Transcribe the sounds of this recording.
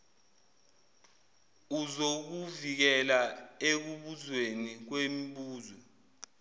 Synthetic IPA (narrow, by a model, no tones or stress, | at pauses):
uzok̬uvik̬ɛlaek̬uɓuzwenik̬wemiɓuːzwɛ